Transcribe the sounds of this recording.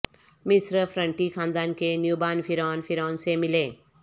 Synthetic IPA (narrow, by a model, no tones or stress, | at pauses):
mɪsɾəfɾə̃ɳʈikʰaːnd̪aːnkenjuːbaːnfʰɪɾaːnfʰɪɾaːnsemɪlẽː